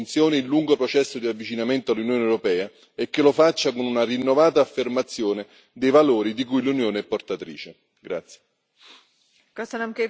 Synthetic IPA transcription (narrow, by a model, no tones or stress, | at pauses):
nt̪sjoːniːlːuŋɡopɾot͡ʃɛsːod̪iavːit͡ʃinament̪oalːunjoːneɛwɾopɛːa | ekːelofat͡ʃːakonunarinːovaːt̪aːfːermat̪sːjoːnɪ | d̪ejvaloːɾid̪ikujlunjoːneɛpːort̪at̪ɾḭːt͡ʃe | ɡɾat̪sːje̥ | kasanamke